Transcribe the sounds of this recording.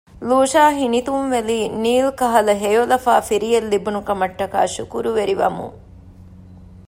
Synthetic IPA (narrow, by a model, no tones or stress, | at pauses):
luːʃaːɦinit̪umʋeliːniːlkɐɦɐlɐɦejolɐfaːfiɾijelːibunukɐmɐʈːɐka̰ːʃukuɾuʋeɾiʋɐ̰mṵŋ